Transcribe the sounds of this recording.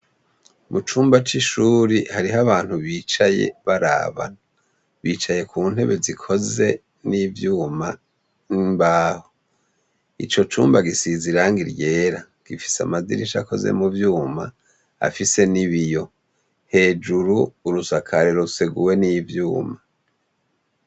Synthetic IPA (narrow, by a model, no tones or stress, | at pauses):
mut͡ʃuːmbat͡ʃiʃuːɾihaɾiɦaβaːn̥huβiːt͡ʃaje̞̰βaɾa̰ːβa̰ | βiːt͡ʃaje̞kuːn̥he̞̰βe̞zikʰo̞ze̞ | niːvjuːma | imbaːho | ḭt͡ʃo̞t͡ʃuːmbaɡisiziɾaŋɡiɾje̞ːɾa | ɡ̥ifi̥sa̰mazḭɾiʃa̰ko̞̰ze̞̰muvjuːma̰ | a̰fise̞niβijo̞ | he̞ːd͡ʒuɾuːɾusakʰaɾeɾouseɡuwe̞nivjuːma